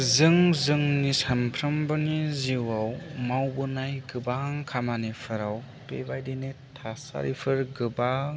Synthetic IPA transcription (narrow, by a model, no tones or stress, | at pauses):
zɯŋzɯŋnisampʰɾɐmbɯniziwawmawbɯnajɡɯbaŋkʰamanepʰɯɾaw | pebajdinetʰasa̰ɾipʰɯɾɡɯba